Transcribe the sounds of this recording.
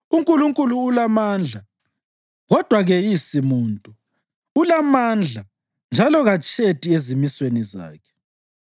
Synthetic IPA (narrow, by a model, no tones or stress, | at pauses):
uŋkʼuluŋkʼuluːlamaːnd͡ɮʱa | ɣɔd̥ʱwaɣɛjisimuːntʼu | ulamand͡ɮʱa | nd͡ʒʱalɔɣat͡ʃʼetʼiezimisweniza̰ːkʰɛ̥